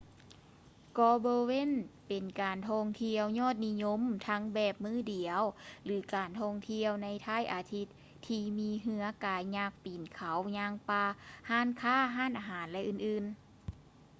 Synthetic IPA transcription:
kɔː˧boː˧we˧˥˨npe˨˩nkaː˨˩nt̪ʰɔ˧ŋt̪ʰi˧əwɲɔː˥˩t̪̚ni˧ɲo˧˥mt̪ʰa˧˥ŋbɛː˧˩p̚mɯː˧˥˩di˨˩˦əwlɯː˨˩˦kaː˨˩nt̪ʰɔ˧ŋt̪ʰi˧əwna˧˥jt̪ʰaː˧˥˩jʔaː˨˩t̪ʰi˧t̪ʰːiː˧miː˧˥ɦɯ˧˥ɐkaː˨˧jɲaː˧˩k̚piː˨˩nkʰa˨˦wɲaː˧ŋpaː˧haː˥˩˨nkʰaː˥˩˨ɦaː˥˨nʔaː˨˩ɦaː˩˦nlɛ˧ʔɯː˧˩nʔɯː˧˩n

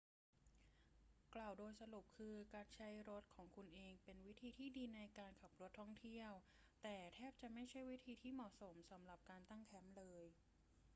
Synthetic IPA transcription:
kla˨˩wdoː˧jsa˧lu˨˩p̚kʰɯː˧kaː˧nt͡ɕʰa˦˥jɾo˦˥t̪̚kʰɔː˩˦ŋkʰu˧nʔeː˧ŋpe˧nwi˦˥t̪ʰiː˧t̪ʰiː˥˩diː˧na˧jkaː˧nkʰa˨˩p̚ɾu˦˥ət̪ʰːɔ˥˩ŋt̪ʰi˥˩əw | t̪ɛː˨˩t̪ʰɛː˥˩p̚t͡ɕa˨˩ma˥˩jt͡ɕʰa˥˩jwi˦˥t̪ʰiː˧t̪ʰiː˥˩mɔ˨˩ʔso˩˦msa˩˦mla˨˩p̚kaː˧nt̪a˥˩ŋkʰɛ˦˥mlɤː˧j

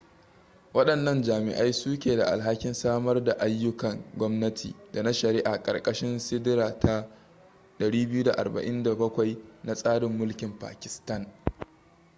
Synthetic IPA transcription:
wɐ˦ɗɐ˨nːɐ˦nd͡ʒaː˨mɪ̰˨ʔa˦jsuː˦kʲeː˨da˨ʔa̰˨lɦa˦kʲɪ˦nsaː˦mɐ˦rda˨ʔa˦jːʊ˦kɐ˨ŋɡʷɔ˦mnɐ˦tʰḭː˨da˨na˦ʃɐ˨ɾɪ˦ʔa˨kʼɐ̰˨rkʼɐ˦ʃɪ˦nsɪ˦dɪ˦ɾaː˨tʰa˦ | ɗɐ˨ɽiː˦bɪ˦ju˦da˨ʔa̰˨rba̰˨ʔɪ˦nda˨bɐ˦kʷa˨jna˦˨sʼaː˦ɽɪ˨mːʊ˦lkʲɪ˨mpa̰ː˨kʲɪ̥˨stɐ˦n

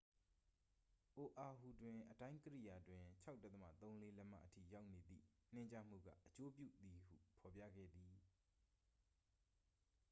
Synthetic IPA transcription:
ʔo˨ʔa˨ɦu˨dwɪ̃˨ʔətã˦ɪ̃kəɾḭ˦˨ja˨dwɪ̃˨t͡ɕʰa˦ʊtːə˦t̪əmä̰˦˨t̪õ˦ʊ̃le˦lɛ˦ma̰˦˨ʔətʰḭ˦˨ja˦ʊʔne˨d̪ðḭ˦˨n̥ɪ̃˦˨ɲt͡ɕa˦m̥ṵ˦˨ɡä̰˦ʔət͡ɕo˦pjṵ˦˨d̪i˨hṵ˦˨pʰɔ˨p̬jä̰˦˨ɡɛ̰˦˨d̪i˨

